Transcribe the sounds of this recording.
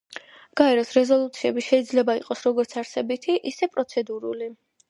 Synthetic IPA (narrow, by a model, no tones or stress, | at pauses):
ɡ̥aɛɾɔsɾɛzɔlˠut̪sʰiɛbiʃɛid̪zlɛbaiqʼɔsɾɔɡɔɾt̪sʰaɾsɛbit̪ʰiʔisɛpʼɾɔt̪sʰɛd̪uɾṵli